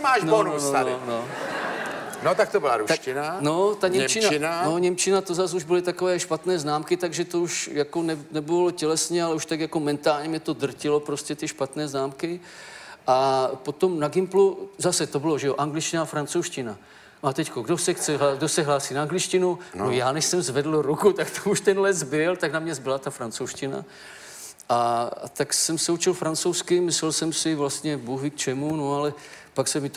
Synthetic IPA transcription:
maːʃnoouaɾɪno | not̪ak̚t̪obɪlaɾuʃcɪnanot̪aɲɛɲɛt͡ʃɪnaɪnanoɲɛmt͡ʃɪnat̪ozasuʒbɪlɪt̪akovɛːʃpat̪nɛːznaːmkɪt̪aɡʒɛt̪o̞uʃjakonɛnɛbɪlocɛlɛsɲɛalɛuʃt̪aɡjako̞mɛnt̪aːlɲɛmɲɛt̪o̞d̪r̩cɪlo̞pɾoscɛt̪ɪʃpat̪nɛːznaːmkɪ | ʔapo̞t̪omnaɡɪmpluzasɛt̪obɪloʒɛjoʔaŋɡlɪt͡ʃcɪnafɾant͡sowʃcɪna | noat̪ɛckoɡdosɛxt͡sɛɦaɡdosɛɦlaːsinaːŋɡlɪt͡ʃcɪnunojaːnɛʃsɛmzvɛdl̩ɾukut̪akt̪ʰouʃt̪ɛnlɛzbɪlt̪aknamɲɛzbɪlat̪afɾant͡sowʃcɪna̰ | ʔat̪aksɛmsɛut͡ʃɪlfɾant͡sowskɪmɪslɛlsɛmsɪvlast̪ɲɛbuɦɪkt͡ʃɛmunoalɛpaksɛmɪt̪

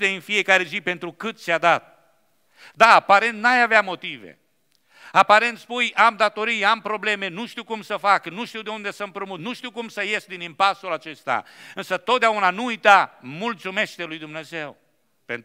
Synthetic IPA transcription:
t̪eɨnfije̞kaɾe̞zipe̞nt̪ɾukɨt̪t͡ʃead̪at̪̚ | d̪aːpaɾe̞nt̪̚najaveamo̞t̪ive̞̰ | apaɾe̞nt̪spujamd̪at̪o̞ɾijampɾo̞ble̞me̞nuʃt̪iwkumsəfaknuʃt̪iwd̪e̞und̪e̞səmpɾomut̪nuʃt̪iwkumsəje̞sd̪inimpasulat͡ʃe̞st̪a̰ɨnsət̪o̞t̪̚d̪eaunanuujt̪amult̪sume̞ʃt̪e̞lujd̪umne̞ze̞w | pent̪

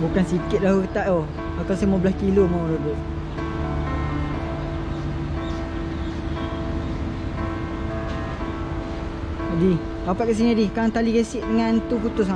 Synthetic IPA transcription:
bukansikɪt̪̚laəkt̪aʔoh | pakasamabəlaskilomauloɡo | di | papaʔ̪̚kaʔs̬inidikaaŋt̪alikesɪʔdəŋant̪uput̪ʊs̬a

